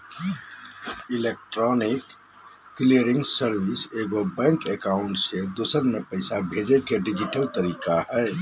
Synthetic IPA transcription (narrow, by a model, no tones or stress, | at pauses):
ilek̚ʈɾɔnikː | liəɾiŋɡsəɾwiseɡobɛ̃ŋkekaʊɳʈsed̪oːsəɾmepəɪsabʱed͡ʒekeɖid͡ʒiʈəlt̪əɾiːkaɦɛɪ